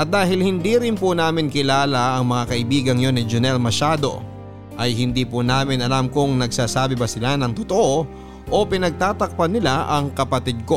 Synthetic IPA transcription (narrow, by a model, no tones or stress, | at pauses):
ʔɐt̪̚d̪aːɦɪlhɪnd̪iɾɪnpʊnaːmɪnkɪlaːlaʔɐŋmɐŋakɐʔɪbiːɡɐŋjonːɪd͡ʒʊnɛlmɐʃaːd̪o̞̰ | ʔɐjhɪnd̪iːpʊnaːmɪnɐlamkʊŋnɐɡsaːsaːbɪbɐsɪlanɐŋt̪ʊt̪oʔo | ʔo̞pɪnɐɡ̚t̪aːt̪ɐk̚pɐnɪlaʔɐŋkɐpɐt̪id̪̚ko̞